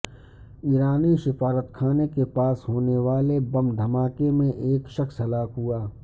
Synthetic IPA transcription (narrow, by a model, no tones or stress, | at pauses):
iːɾaːniʃɪfaːɾət̪kʰaːnekepaːsɦoːneʋaːlebɐmd̪ʱɐmaːkemẽʔeːkʃɐksɦɐlaːkɦuaː